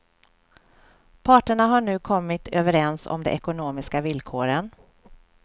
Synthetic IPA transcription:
pʰɑːʈəɳaɦaɳʉ̟ːkʰɔmːɪt̪ʰøːvəɾɛnsɔ̰md̪ɛ̰ʔɛkʊnoːmɪskavɪlkʰoːɾən

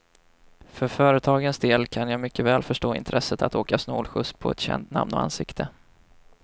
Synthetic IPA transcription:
fœɾfœːɾət̪ʰɑːɡənsd̪eːlkʰanjaːmʏkʰːəvɛːlfœʂʈoːɪ̰nt̪ʰɾʔɛsət̪ʰat̪oːkasnoːlɧɵspʰɔɛ̰t̪ɕɛ̰nt̪na̰mnɔ̰a̰nsɪkt̪ʰə

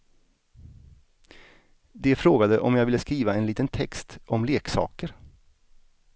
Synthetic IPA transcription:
d̪ɛfɾoːɡad̪əʔɔ̰mjɑːɡvɪlːəskɾiːvaɛnliːt̪ənt̪ʰɛkst̪ɔmleːksɑ̰ːkəɾ

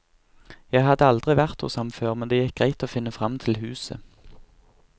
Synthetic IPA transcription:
jæɪhɑd̪əɑld̪ʁɪʋæʁt̪ṵsɑmføːʁmɛnd̪eːjɛk̚ɡʁæɪt̪oːfɪnəfʁɑmt̪ʰɪlɦʉːsə̰

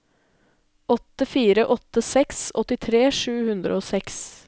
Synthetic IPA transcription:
ɔt̪ːəfiːɾəʔɔt̪ːəsɛksɔt̪ɪt̪ʰɾeːʂʉːhʉnd̪ɾə̰oːsɛks

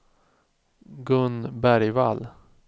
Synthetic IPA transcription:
ɡɵnbæɾjval

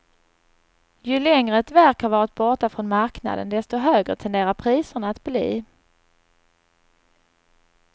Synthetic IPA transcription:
jɵlɛŋɾəɛt̪væɾkhɑɾvɑːɾɪt̪̚bɔʈafɾɔnmaɾkna̰d̪ə̰nd̪ɛst̪ɔɦøːɡɾə̰t̪ʰɛnd̪eːɾapʰɾiːsəɳaːt̪blḭː

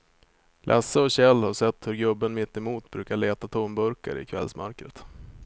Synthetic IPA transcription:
lʔɛ̰səɔɕɛlːhaʂɛt̪ːhɵɾɡɵbːənmɪt̪ːɛmuːt̪bɾʉ̟ːkaɭeːt̪at̪ʰombɵɾka̰ɾɪ̰kʰvɛ̰lsmœɾkɾət̪

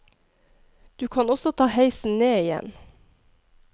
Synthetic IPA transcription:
d̪̥ʉːkʰɑnɔsɔt̪ʰɑːhæɪsn̩neːɪjɛ̰n

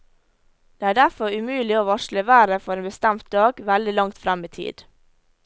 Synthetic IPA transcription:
d̪eːæːɖæfɔɾʉmʉːlɪoːʋɑʃləʋæːɾəfɔɾeːnbəst̪æmt̪̚d̪ɑːɡʋæld̪ɪlɑŋt̪fɾɛmiːt̪ʰḭːd̪̥

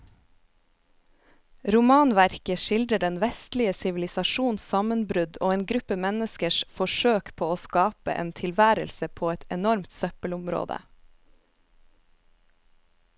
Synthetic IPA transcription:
ɾʊmɑːnʋæɾkəʃɪld̪ɾəɖɛnʋɛst̪lɪəsɪʋɪlɪsɑʃuːnsɑmənbɾʉd̪oːeːnɡɾʉpəmɛnəskəʃfɔʃøːkpʰoːoːskɑːpə̰ʔḛːnt̪ʰɪlʋæːɾə̰lsəpʰoːɛt̪ɛnɔɾmt̪sœpəlʊmɾo̰ːd̪ə̰

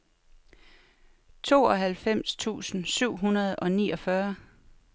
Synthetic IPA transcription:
t͡sʰo̝ːɒ̽ɦælfem̰st͡sʰṵːsn̩syʊ̰ɦunɐð̞̩ˠɒ̽niːɒ̽fɶɐ

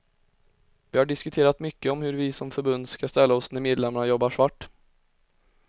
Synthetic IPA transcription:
vɪhaɖɪskɵt̪ʰeːɾat̪mʏkːəɔmhɵɾvɪsɔmfœɾbɵnd̪skast̪ɛlːaɔsnæɾmeːd̪lɛmːaɳajɔbːaʂvaʈː

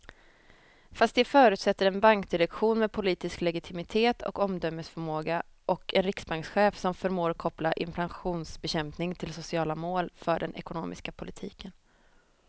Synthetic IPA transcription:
fast̪d̪ɛfœːɾʉ̟ːt̪sɛt̪ːəɾɛnbaŋkd̪ɪɾɛkɧuːnmɛːd̪̚pʰʊliːt̪ɪsklɛɡɪt̪ʰɪmɪt̪ʰeːt̪ʰɔ̰kɔmd̪œmːəsfœɾmoːɡaʔɔkɛnɾɪksbaŋksɧeːfsɔmfœɾmoːɾkʰɔplaʔɪ̰mpʰlanɧuːnsbɛɕɛmpnɪŋt̪ʰɪlsʊsɪɑːlamoːlfœɖɛnɛ̰kʊno̰ːmʔɪ̰skapʰʊlɪt̪ʰḭːkən

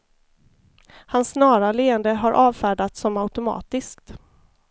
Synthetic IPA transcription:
hansːnɑːɾaleːənd̪əɦaɾʔɑːvfæːɖat̪sɔmaʉt̪ʊmɑ̰ːt̪ɪskt̪

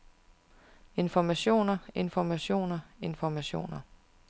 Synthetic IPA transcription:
e̝nfɒmæɕo̝̰ːnɐe̝nfɒmæɕo̝̰ːnɐe̝nfɒmæɕo̝̰ːnɐ

